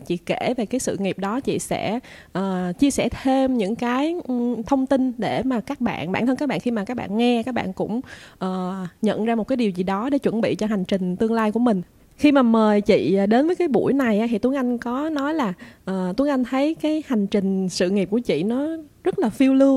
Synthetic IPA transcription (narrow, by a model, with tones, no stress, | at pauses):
t͡ɕḭ˧˨ke˧˩ve˨˩kaː˨˦jsɨ̰˧˨ŋi˨˩p̚ɗɔ˨˦t͡ɕḭ˧˨sɛ̰˧˥ʔəː˨˩t͡ɕi˧əsɛ̰˧˩t̪ʰe˧mɲɨ̰˧˥ŋkaː˨˦jt̪ʰə˧wŋ͡mt̪i˧nɗe˧˩maː˨˩kaː˦˥k̚ɓa̰ː˧˨nɓa̰ː˧˩nt̪ʰə˧nkaː˦˥ɓa̰ː˧˨ŋxi˧maː˨˩kaː˦˥k̚ɓa̰ː˧˨nŋɛ˧kaː˦˥k̚ɓa̰ː˧˨nkʊ̰˧˥ŋ͡mʔəː˨˩ɲə̰˧˨nzaː˧mo˨˩t̚kaː˨˦jɗi˨˩wzi˨˩ɗɔ˨˦ɗe˧˩t͡ɕwə˧˩nɓḭ˧˨t͡ɕɔ˧ɦa˨˩jŋ̟t͡ɕï˨˩ŋ̟t̪ɨ˧əŋlaː˧jku˧˩əmï˨˩ŋ̟ | xi˧maː˨˩məː˨˩jt͡ɕḭ˧˨˩ɗe˨˦nvəː˨˦jkaː˨˦jɓṵ˧˩jna˨˩jʔaː˧˦ɦḭ˧˨t̪u˨˦əŋʔa˧jŋ̟kɔ˨˦nɔ˨˦jlaː˨˩ʔəː˨˩t̪u˨˦əŋʔa˧jŋ̟t̪ʰə˨˦jkaː˨˦jha˨˩jŋ̟t͡ɕï˨˩ŋ̟sɨ̰˧˨ŋi˨˩p̚ku˧˩ət͡ɕḭ˧˨nɔ˨˦zə˦˥t̚laː˨˩fi˧wlɨ˧ə